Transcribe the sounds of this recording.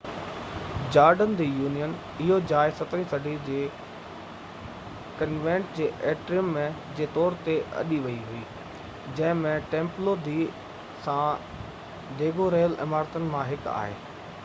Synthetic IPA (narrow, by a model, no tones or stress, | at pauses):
d͡ʑaːɾɖənd̪iːjuːnijən | ɪɦod͡ʑaːɪsɐt̪əɾĩsɐɖʱid͡ʑeː | kɐnʋẽːɳʈd͡ʑeːʔeːʈɾɪjəmːẽd͡ʑeːt̪ɔːɾt̪eʔɐ̰ɗiʋɐiɦʊiː | d͡ʑɐ̃ɦɪ̃mẽʈẽːmplod̪ʱiː | sã | d̪eːɡʱoɾeːəlɪ̰maːɾt̪ənɪ̆mãɦɪka̰ːɦḛː